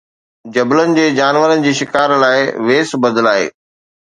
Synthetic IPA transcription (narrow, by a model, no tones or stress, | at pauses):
d͡ʑɐblənɪ̆d͡ʑeːd͡ʑaːnʋəɾənɪ̆d͡ʑiːʃɪkaːɾlaːɪʋeːsbɐd̪əlaːɦḛː